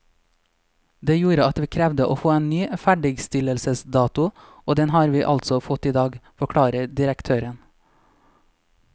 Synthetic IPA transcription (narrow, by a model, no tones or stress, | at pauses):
d̪eːjuːɾəɑt̪ʋiːkʰɾɛʋd̪əʔoːfoːeːnnyːfæɖɪɡst̪ɪləlsəsd̪ɑːt̪ʊ | oːd̪ɛnhɑːɾʋiːʔɑlt̪sɔfɔt̪iːd̪ɑːɡfɔkʰɽɑːɾəd̪ɪɾəkt̪ʰøːɾən